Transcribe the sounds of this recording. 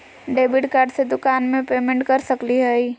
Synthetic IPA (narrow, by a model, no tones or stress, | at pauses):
ɖeːbiɖkaːɾɖsed̪ʊkaːnmẽpemẽɳʈkəɾsəkliɦəi